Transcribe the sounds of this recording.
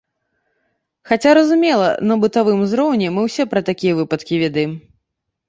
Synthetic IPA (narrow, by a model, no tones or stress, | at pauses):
xat͡sʲaɾɐzumʲɛlˠɐ̰nɐbɨt̪avɨmzɾɔwnʲɛmɨwsʲɛpɾɐt̪akʲijɐvɨpɐt̪kʲivʲɛd̪ɐjɛm